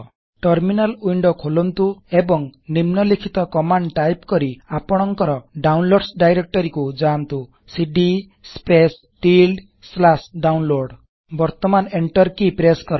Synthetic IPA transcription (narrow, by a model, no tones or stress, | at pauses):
ʈɔɾminalujɳɖɔkʰolɔnt̪uebɔŋnimnɔlikʰit̪ɔkɔmaɳɖʈajpkɔɾiapɔɽ̃ɔŋkɔɾɔɖawnloɽsɖajɾek̚ʈɔɾikud͡ʒant̪u | siɖi | spes | ʈilɖ | slasɖawnloɾɖ | bɔɾt̪ɔmaneɳʈɔɾkipɾeskɔɾa